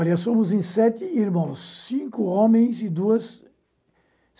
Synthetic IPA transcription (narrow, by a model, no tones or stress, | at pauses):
ɾɐsõmʊzẽsɛt̪ɪiɾmɐ̃w̃sːĩŋkʊõmẽj̃zɪd̪uɐs